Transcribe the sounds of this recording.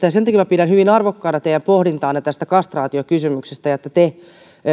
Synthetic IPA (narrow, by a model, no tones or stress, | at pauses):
t̪jɑsent̪ɑkimæpiɾænhyʋinɑrʋokːɑːnɑt̪ejæmpohdint̪ɑːnːet̪æst̪ækɑst̪rɑːt̪iokysymyksest̪æjɑet̪ːæt̪e